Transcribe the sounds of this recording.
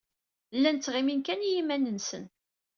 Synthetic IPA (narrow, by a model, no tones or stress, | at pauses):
lːænt͡sːʁiminkænjimænənsə̰n